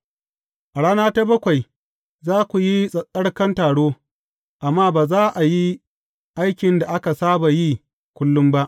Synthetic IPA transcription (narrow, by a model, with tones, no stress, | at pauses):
ʔa˨ɽaː˦naː˦ta˦bɐ˦kʷa˨j | zaː˦kʷu˨ji˦sʼɐ˨sʼɐ˦ɽkɐ˦ntaː˨ɽoː˦ | ʔa˨mːaː˦baː˨zaː˦ʔa˨ji˦ | ʔa˦jkʲɪ˨nda˨ʔa˦ka˨saː˦ba˨ji˦ | kʷʊ˦lːʊ˦mba˦ʔ